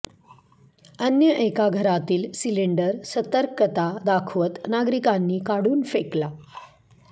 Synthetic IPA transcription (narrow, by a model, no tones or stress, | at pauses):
ənjəʔekaɡʱəɾat̪iːlsiliɳɖəɾsət̪əɾkət̪ad̪akʰʋət̪naɡɾikanːiːkaɽuːnfekla